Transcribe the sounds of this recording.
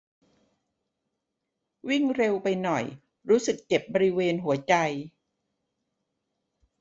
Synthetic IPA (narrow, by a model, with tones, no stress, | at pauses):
wi˥˩ŋɾe˧wpa˧jnɔ˨˩j | ɾuː˦˥sɯ˨˩kːt͡ɕe˨˩p̚bɔː˧ɾi˦˥weː˧nɦu˨˩˦ɐt͡ɕa˧j